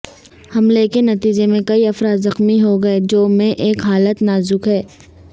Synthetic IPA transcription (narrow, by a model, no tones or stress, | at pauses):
hɐmlekenɐt̪iːd͡ʒemẽkɐiɐfɾaːd̪zɐxmiɦoɡɐed͡ʒoːmẽʔeːkɦaːlət̪naːzʊkɦɛː